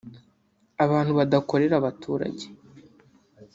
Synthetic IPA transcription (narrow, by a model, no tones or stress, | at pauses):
aβaːn̥huβadako̞ɾe̞ɾaβatʰuːɾa̰ɟe